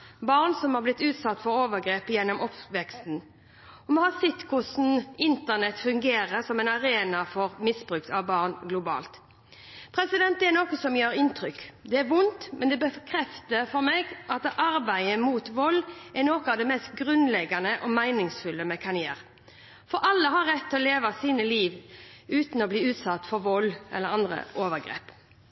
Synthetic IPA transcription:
bɑːʁnsɔmhɑblɪt̪ːʉːt̪sɑt̪ːfɔɾoːʋəɡɾeːpəjɛnːɔmɔpʋɛkst̪n̩ | ɔmɔːhɑsɛt̪ːkʰʊsn̩ɪnt̪ənɛt̪fʉŋɡeːɾəsɔmɛɪnɑɾeːnɑfɔʁmɪsbɾʉkt̪ʰɑʋbɑːʁnɡlʊbɑ̰ːlt̪ | pʰɾɛsɪd̪ɛnt̪d̪ɛnoːkəsɔmjøːɾɪnt̪ɾʏkd̪ɛːʋʊnt̪mɛnd̪ɛbəkʰɾɛft̪əfɔɾmɛɡʔɑt̪ʔɑɾbæɪəmuːt̪ʋɔlːɛnoːkəɑːʋd̪ɛmɛst̪ɡʁʉnlɛɡɑnəʔɔmæɪnɪŋsfʉlːəmɛkʰɑnjḛːʁ | fɔɾʔɑlːəɦɑɾɛt̪ʰːɛɔleːʋɑsiːnəliːʋ | ʉːt̪nɔbliːʉːt̪sɑt̪ːfɔɾʋɔlːʔɛ̰lːəɾɑnd̪ʁə̰ʔoːʋəɡɾḛːp

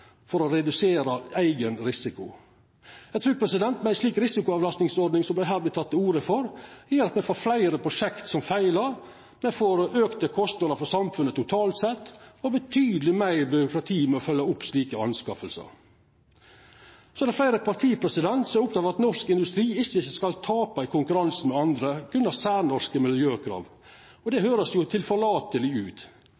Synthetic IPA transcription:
fɔɾɔɾɛd̪ʉseːɾɑæɪɡənɾɪsɪkʊ | jæɡt̪ʰɾʉːɾpʰɾɛsɪd̪ɛnt̪mɛæɪsliːkɾɪsɪkʊɑːʋlɑst̪nɪŋsɔɾɖ̪nɪŋsɔmb̪æɦæːɾbɪt̪ʰɑt̪ːəuːɾəfɔɾjiːɾɑt̪mɛfoːɾflæɪɾəpʰɾʊʂɛkt̪sɔmfæɪləɾ | mɛfoːɾøːkt̪əkʰɔst̪nɑd̪əfɔsɑmfʉnət̪ʰʊt̪ʰɑːlt̪sɛt̪ːɔbət̪ʰyːd̪lɪmæɪɾbʏɾʊkɾɑt̪ʰiːmɛɔfœlːɑʊpsliːkəɑ̰nskɑfəlsə̰ɾ | sɔd̪ɛflæɪɾəpʰɑɾt̪ʰiːpʰɾɛsɪd̪ɛnt̪sɔmæɾʊp̚d̪ɑːɾɑt̪nɔʂkɪnd̪ʉst̪ɾiːɪçːəɪçəskɑlt̪ʰɑːpɑɪkʰʊŋkʉɾɑnsn̩mɛɑnd̪ɾəɡ̥ɾʉnɑsæːɾnɔʂkəmɪljøːkʰɾɑ̰ːʋ | ɔd̪ɛhøːɾəsjʊt̪ʰɪlfɔɭɑːt̪əlɪʉːt̪

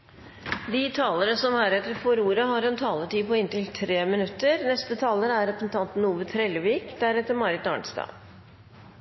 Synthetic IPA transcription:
d̪iːt̪ʰɑːləɾəsɔmhæɾɛt̪ːəɾfɔɾuːɾəɦɑɾɛnt̪ʰɑːləʈ̪iːpɔɪnt̪ɪlt̪ʰɾeːmɪnʉt̪ːəɾnɛst̪ət̪ʰɑːləɾæɾɛpəsn̩t̪ʰɑnt̪n̩uːʋət̪ʰɾɛləʋiːkd̪æɾɛt̪ːəɾmɑɾɪt̪ɑ̰ːɳst̪ɑ̰ː

